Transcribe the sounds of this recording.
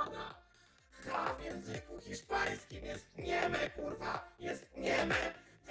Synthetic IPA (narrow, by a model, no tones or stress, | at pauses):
na | xɾavjɛ̃ñzɨkuxʲiʂpaj̃skʲimjɛst̪ɲɛmɛkuɾvajɛst̪̚ɲɛmɛ | v